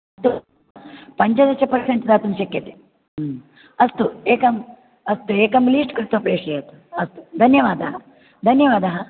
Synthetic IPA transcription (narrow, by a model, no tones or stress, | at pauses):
ɐst̪u | pɐɲd͡ʒɐd̪ɐt͡ʃːɐpɐɾseɳʈd̪aːt̪unʃɐkjɐt̪e | ɐst̪ueːkɐm | ɐst̪ueːkɐmliːsʈkɾɪt̪ʋɐpɾeːʂɐjɐt̪u̥ɐst̪u̥d̪ʱɐnjɐʋaːd̪ɐɦɐ | d̪ʱɐnjɐʋaːd̪ɐɦɐ